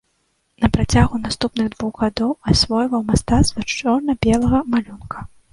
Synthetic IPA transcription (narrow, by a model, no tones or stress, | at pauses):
nɐpɾat͡sʲaɣunast̪upnɨɣd̪vuɣɣad̪ɔwasʲvɔjvɐwmast̪at̪svat͡ʂɔrnɐbʲɛlˠɐɣɐmalʲunkʰɐ̥